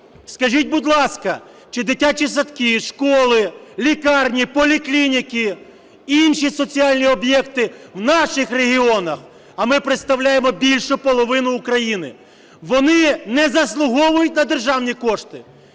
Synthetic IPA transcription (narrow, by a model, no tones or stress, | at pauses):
skɐʒʲit̚ʲbʊd̪ʲlˠɑskɐ | t͡ʃɪd̪ɪtʲat͡ʃisɐt̪kɪʃkɔlˠɪlʲikɑrnʲipɔlʲiklʲinʲikɪ | inʃisɔt͡sʲiɑlʲnʲiɔbjɛkt̪ɪwnɑʃɪxreɦʲiɔnɐx | ɐmɪpɾɪt̪st̪ɐwlʲajemɔbʲilʲʃʊpɔlˠɔʋɪnʊːkɾɐjinɪ | ʋɔnɪnɛzɐslˠʊɦɔʋʊjʊtʲnɐd̪erʒɑwnʲikɔʃt̪ɪ